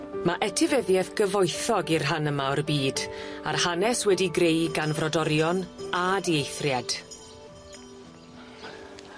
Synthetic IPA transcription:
maʔɛtʰɪvɛðjɛθɡ̥əvɔjθɔɡirɦanəmaɔrbiːdarhanɛswɛdiɡrejɡanvrɔdɔɾjɔnadiejθrjad̥

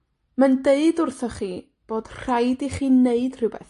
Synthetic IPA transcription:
mandeɨdʊrθɔχiː | b̥oːd̥r̥ajdiχiːneɨd̥r̥ɨwbɛ̰θ

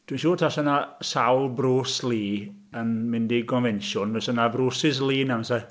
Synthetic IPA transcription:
d̥wiʃoːtʰasənasawlˠbroːsliː | ənmɪndikʰɔnvɛnʃʊnvɛsənabɾoːsɪs̬liːnansa

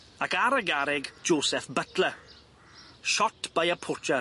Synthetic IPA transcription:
akaɾəɡaɾɪɡd͡ʒoːsɛfbətʰlə | ʃɔtʰb̥ajəpʰʊt͡ʃʰa

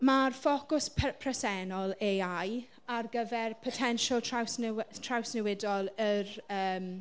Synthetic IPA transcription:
marfokʊspʰpʰrəsɛnɔlˠeaj | arɡəvɛrpʰɔtʰɛnʃɔlˠtʰawsntʰrawsnɛwɪdɔlˠərəːm

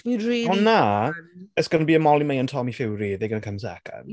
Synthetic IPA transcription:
ɔnːa | əsɡ̥ənbiːəmɔlimejəntʰɔmifɪwɾiðeɡənəkʰəmsɛ̰kʰa̰n

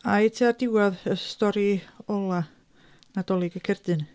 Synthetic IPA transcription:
ajtʰiadɪwaðəstɔɾiɔlˠa | nad̥ɔlˠɪɡəkʰɛrd̥ɨn

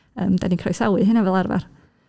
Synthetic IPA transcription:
ə̰ːmd̥a̰dinkʰrɔjsawɨɦɪnavɛlˠarva̰r

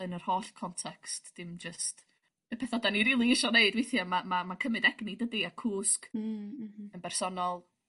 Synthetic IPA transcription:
ənər̥hoːɬkʰɔntʰɛkstd̥ɪmd͡ʒəst | əpʰɛθɔdaniɾiːlˠiɪʃɔneɨdwejθjamamamakʰəmɨdɛɡnidədiakʰuːsk | ənbɛrsɔnɔlˠ

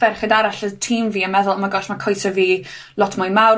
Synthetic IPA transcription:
v̥ɛrχədaɾaɬətʰiːmviːənmɛðʊlˠəmaɡɔɬmakʰɔjsəviː | lˠɔtʰmʊjmaw

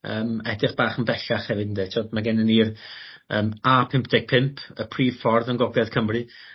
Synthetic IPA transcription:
əːmɛdɪχb̥aːχənbɛɬaχhɛvɨdn̩detʰoːdmaɡɛnəniːr | əːmapʰɪmp̚ʰd̥ɛɡ̥̚pʰɪmpʰəpʰriːv̥fɔrðənɡɔɡlˠɛð̥kʰəmrɨ

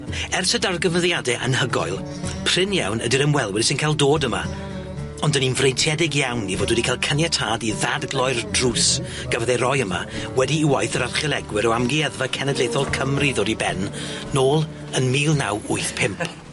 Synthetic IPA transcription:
ɛrsədarɡəvəðjadɛʔə̰nhəɡɔ̰jlˠ | pʰr̥ɪnja̰wnədiɾəmwɛlˠwɪɾsɪnkʰalˠdoːdəma̰ | ɔndəninvrejntʰjɛdɪɡjawnːivoːdwɛdikʰalˠkʰənjɛtʰaːdiðadɡlˠɔjrdrus | ɡ̥avəðɛɾɔjəma̰wɛdiːwajθəɾarχjɛlˠɛɡwɪɾɔamɡiɛðvakʰɛnədlˠejθɔlˠkʰəmriðɔːdibɛnː | oːlˠ | ənmiːlˠna̰wʊɨθpʰɪmpʰ

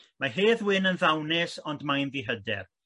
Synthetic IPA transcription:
maɦeːðwɪnənðawnɛsɔndmajnðiɦədɛ̰r

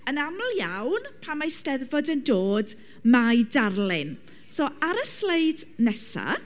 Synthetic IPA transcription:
ənaml̩ˠjawnpʰamːajstɛðvɔdəndoːd | majdarlɪn | soːaɾəsleɨdnɛsa̰

